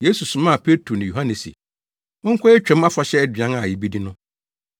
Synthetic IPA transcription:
je˦su˨sʊ˨mã˦˨pʰe˦tʰɾo˨nɪ̃˨jo˨ɦã˦nɪ˨sḭ˨ | ʊ̃˦ŋ̩˦kʷʰɔ˦ɛ˦t͡ɕᶣɾɛ̃˨˦m˦a˦fa˨ɕɛ˦dɥã˦ŋa˨jɛ˨bi˦di˦nʊ̃˦

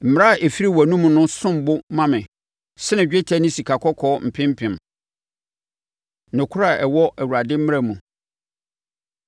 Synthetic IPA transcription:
m̩˨m˦a˦˨ʔe˨fi˦ɾi˦wæ˨nũ˦m̃˨nʊ̃˦sʊ̃˦m˨bʊ˦mã˦mɪ̃˨ | sɛ˦nɪ̃˨d͡ʑᶣe˦tʰæ˦nɪ̃˦si˨kʰa˨kʰɔ˦kʰɔː˦m̩˨pʰɪ̃˦m̩˦pʰɪ̃˨m | nʊ̃˨kʰʊ˦ɾa˦˨ɛ˨wɔ˦ʔæ˨wu˨ɾa˨dɪ̃˦m̩˦mɪ̃˦ɾa˨mũ˨

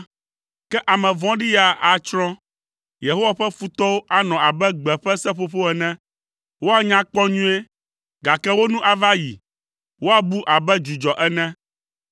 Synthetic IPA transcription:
kɛ˦ʔa˨mɛ̃˨vɔ̃˦ɖi˦ja˨ʔa˨t͡ʃɾɔ̃˦ | je˨ɦo˦wa˨ɸɛ˦fu˦t̪ɔ˦wo˦ʔa˨nɔ̃˨a˨bɛ˦ɡ͡bɛ˨ɸɛ˦sɛ˦ɸo˦ɸo˦ɛ˨nɛ̃˦ | wo˦a˦ɲã˦k͡pɔ̃˦ɲũ˦e˦ | ɡa˨kɛ˦wo˦nũ˦ʔa˨va˦ji˨ | wo˦a˦bu˦ʔa˨bɛ˦d͡ʒu˨d͡ʒɔ˨ʔɛ˦nɛ̃˦

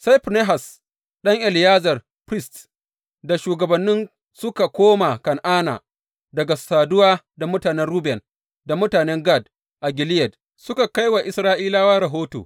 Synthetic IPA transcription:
sa˦jɸpne˦ɦa˨s | ɗɐ˦ŋʔɛ˨lɪ˨jaː˦zɐ˨r | pɾɪ˦st | da˨ʃuː˨ɡɐ˨bɐ˨nːɪ˦n | sʊ˦ka˨kʷoː˦ma˨kɐ˨nʔaː˦na̰ː˨ | dɐ˨ɡa˨saː˨dʊ˦waː˦ | da˨mʊ˦taː˨nɛ˦nɾuː˦bɛ˨n | da˨mʊ˦taː˨nɛ˦ŋɡa˦˨d̚ | ʔa˨ɡʲɪ˨lɪ˦jɐ˨d | sʊ˦ka˨ka˦jwa˨ʔɪ˨sɾaː˦ʔiː˦laː˦waː˦ɾɐ˨ɦoː˦to̰ː˨

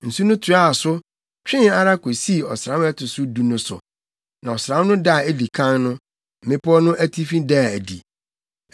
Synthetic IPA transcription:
n̩˨su˦nʊ̃˦tʰu˨˦a˦˨sʊ˦ | t͡ɕᶣɪ̃˦na˦ɾa˦ko˨si˦˨ɔ˨sɾã˨˦m˦ɛ˦tʰʊ˨sʊ˦du˨nʊ̃˦sʊ̰˨ | nã˨ɔ˨sɾã˨˦m˦nʊ̃˦da˦˨e˦di˨kʰã˦nnʊ̃˦ | m̩˨mɪ̃˦pʰʊ˦ɔ˦nʊ̃˦ʔæ˦tʰi˦fĩ˦da˦˨æ˨dḭ˨

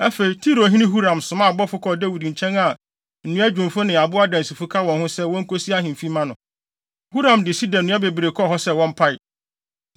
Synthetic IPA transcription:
æ˦fe˨i˨tʰi˦ɾo˨ɦĩ˦nɪ̃˦ɦu˦ɾã˨msʊ̃˨mã˦˨bɔ˦fʊ˦kʰɔ˦dæ˦wi˨dɲ̩˨t͡ɕʰɛ̃˦na˨ | n̩˨nũ˦æ˦d͡ʑᶣʊ̃˨mfʊ˦nɪ̃˨a˨bʊ˦a˦dã˨nsi˨fʊ˦kʰa˦wɔ̃˨nhʊ̃˦sɛ˦wɔ̃˦ŋ̩˦kʰo˦si˦a˦ɦɪ̃˨m˨fi˦mã˦nʊ̃˨ | hu˦ɾã˨mdɪ˨si˦dɔ̃˨nː˨ũ˦a˦be˨bi˨ɾe˨kʰɔ˦˨ɦɔ˦sɛ˦wɔ̃˦m̩˦pʰa˦ɪ˨

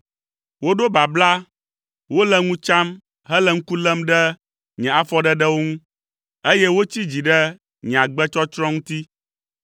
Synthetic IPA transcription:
wo˦ɖo˦ba˨bla˦ | wo˦lɛ˦ŋũ˦t͡ʃa˦m | ɦɛ˦lɛ˨ŋ̩˦ku˦lɛ˦mɖɛ˦ | ɲɛ̃˨a˨fɔ˦ɖɛ˦ɖɛ˦wo˦ŋũ˦ | e˦jɛ˦wo˦t͡ɕi˦d͡ʑi˨ɖɛ˦ | ɲɛ̃˨a˨ɡ͡bɛ˦t͡ʃɔ˦t͡ʃɾɔ̃˦ŋũ˦t̪i˦

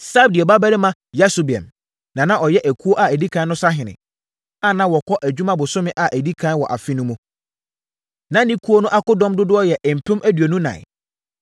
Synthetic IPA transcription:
sa˦b̚dɪ˨ɛ˨ba˦bæ˦ɾɪ˦mã˦ | ja˦sʊ˨bi˨ɛ̰̃˨m | nã˨nã˦ʔɔ˨jɛ˦ʔæ˨kʰu˦o˦ʔa˨æ˨di˦kʰã˦n˦nʊ̃˦sa˦ɦɪ̃˨nɪ̰̃˨ | a˨nã˦wɔ˨kʰɔ˦ʔæ˨d͡ʑᶣu˦mã˦bʊ˨sʊ˦mɪ̃˦ʔa˨ʔæ˨di˦kʰã˦n˦wɔ˨ʔa̰˨fi˦nʊ̃˦mũ˦ | nã˦nĩ˦kʰu˦o˦nʊ̃˦ʔa˦kʊ˦dɔ̃˦mdʊ˦dʊ˦ɔ˦jɛ˨ʔm̩˨pʰʊ̃˦mʔæ˦dɥe˨nũ˦nã̰˨

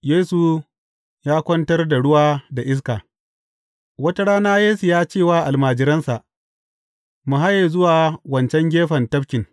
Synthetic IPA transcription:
jeː˦su˨ | jaː˦kʷɔ˦ntɐ˦rda˨ɽʊ˦waː˦da˨ʔɪ˦s̬kaː˨ | wɐ˦ta˦ɽaː˦naː˦jeː˦su˨jaː˦t͡ʃeː˦˨waː˦ʔa˨lmaː˨d͡ʒɪ˨ɾɐ˦nsa˨ʔ | mʊ˨ɦa˦jeː˨zʊ˦waː˨wɐ˨nt͡ʃɛ˦ŋɡʲeː˦ɸɐ˨ntɐ˦ɸkʲɪ˨ŋ

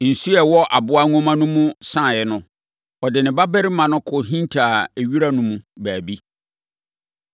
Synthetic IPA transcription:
n̩˨su˦ɛ˨wɔ˦ʔa˨bʊ˦a˦ŋɔ̃˦mã˦nʊ̃˦mʊ̃˦sã˦˨jɛ˨nʊ̃˨ | ɔ˨dɪ˨nɪ̃˨ba˦bɛ˦ɾɪ˦mã˨nʊ̃˦kʰʊ˨ɦĩ˦ntʰa˨e˨ɥi˦ɾa˦nʊ̃˦mũ˦bæː˨bi˦

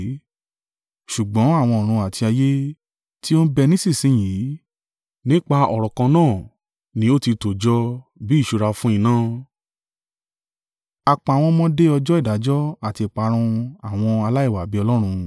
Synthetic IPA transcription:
ʃu˨ɡ͡bɔ̃˨˦a˦˨w̃ɔ̃˧ɔ˨ɾ̃ũ˧a˨ti˧a˧je˦ | ti˦o˦bɛ˧nĩ˦si˦˨sĩ˨˦j̃ĩ˨˦ | nĩ˦k͡pa˧ɔ˨ɾɔ˨kã˧nãː˦˨ | nĩ˦o˦ti˧to˨d͡ʒɔ˦bi˨˦˨ʃu˧ɾa˧fũ˦ĩ˦˧˨nã˦ | a˧k͡pa˧˨w̃ɔ̃˧mɔ̃˦de˦ɔ˧d͡ʒɔ˦i˦˨da˨˦d͡ʒɔ˦a˦˨ti˧˨k͡pa˧ɾ̃ũ˧a˨w̃ɔ̃˧a˧la˦i˦˨wa˨bi˨˦ɔ˧lɔ˦ɾ̃ũ˧

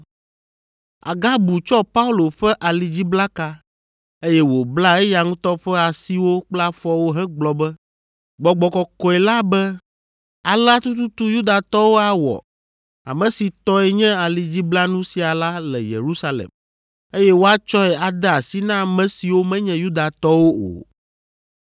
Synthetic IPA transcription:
a̰˨ɡa˦bu˨t͡ʃɔ˦pa˦u˦lo˨ɸɛ˦ʔa˨li˨d͡ʑi˦bla˦ka˦ | e˦jɛ˦wo˨bla˦ɛ˦ja˨ŋũ˦t̪ɔ˦ɸɛ˦a˨si˦wo˦k͡pla˦fɔ˦wo˦ɦɛ̃˦ɡ͡blɔ˨bɛ˦ | ɡ͡bɔ˨ɡ͡bɔ˨kɔ˨kɔ˨ɛ˨la˦bɛ˦ | a˨la˦t̪u˦t̪u˦t̪u˦ju˦d̪a˨t̪ɔ˦wo˦a˨wɔ̰˨ | a̰˨mɛ̃˨si˨t̪ɔ˦ɛ˨ɲɛ̃˦a˨li˨d͡ʑi˦bla˦nũ˦si˨a˨la˦lɛ̰˨jḛ˨ɾu˦sa˦lḛ˨m | e˦jɛ˦wo˦a˦t͡ʃɔ˦ɛ˨a˨d̪ɛ˦a˨si˦nã˦mɛ̃˨si˨wo˦mɛ̃˦ɲɛ̃˨ju˦d̪a˨t̪ɔ˦wo˦o̰˨

